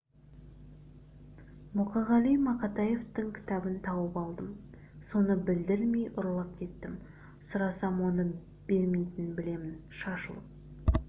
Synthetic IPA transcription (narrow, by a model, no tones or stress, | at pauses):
mʊqɑʁɑlˠijmɑqɑt̪ɑje̞ft̪ɪŋkʲʰɪ̥t̪ɑbɪnt̪ʰɑwəpɑlˠd̪əm | so̞nəbɪld̪ɪɾmejʔʊɾlˠɑp̚kʲʰe̞t̪ːɪm | sʊɾɑsɑmwo̞nə | b̥e̞ɾmejt̪ɪnbɪle̞mɪnʃɑʃə̰lˠə